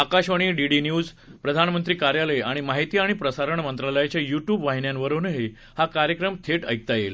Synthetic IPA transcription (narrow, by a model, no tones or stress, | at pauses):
akaɕʋəɽ̃iːɖiɖinjuːd͡z | pɾəd̪ʱanmənt̪ɾiːkaɾjaləjaɽ̃imaɦit̪iːaɽ̃ipɾəsaɾəɳmənt̪ɾaləjat͡ɕjajuʈjuːbʋaɦinjanʋəɾunɦe | hakaɾjəkɾəmt̪ʰeʈə̰jk̚t̪ajel